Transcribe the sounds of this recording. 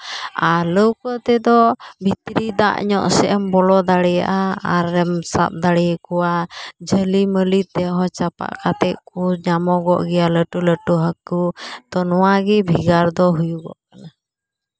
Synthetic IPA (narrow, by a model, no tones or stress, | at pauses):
aləwkɔt̪ɛd̪ɔbʱit̪ɾid̪a̰ʔɲɔʔsɛʔɛmbɔlɔd̪aɽɛja̰ʔaaɾːɛmsa̰p̪̚d̪aɽɛjkɔwad͡ʒəliməlit̪ɛɦɔ̃t͡ʃapa̰ʔkat̪ɛʔkuɲamɔɡɔ̰ʔɡɛjaləʈuləʈuɦəkut̪ɔnɔwaɡɛbʱiɡaɾd̪ɔɦujuɡɔ̰ʔkana